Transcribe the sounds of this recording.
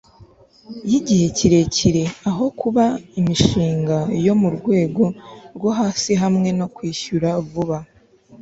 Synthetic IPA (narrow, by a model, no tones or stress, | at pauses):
jiɟihe̞ciɾe̞ciɾe̞aɦo̞kuβaimiʃiːŋɡajo̞muɾɡwe̞ːɡo̞ɾɡwaɦaːsiɦamŋe̞no̞kwiːçuɾavuβa